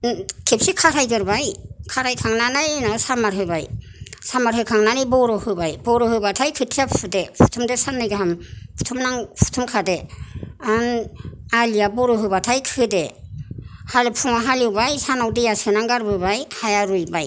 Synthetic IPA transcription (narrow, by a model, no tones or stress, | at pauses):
kʰep̚sikʰaɾʰajɡɯɾbajkʰaɾajkʰaŋnanajnɔsamaɾɦɯbaj | samaɾhɯkʰaŋnanijbɔɾɔhɯbajbɔɾɔhɯbatʰajkʰɯtʰijapʰudepʰu̥tʰumdɯsanːɯjɡɯɦampʰu̥tʰumnaŋpʰu̥tʰumkʰadeanalijabɔɾɔɦɯbatʰajkʰɯde | halɯpʰuŋaɦaliwbajsanawdejasɯnaŋɡaɾbɯbajhajaɾujbaj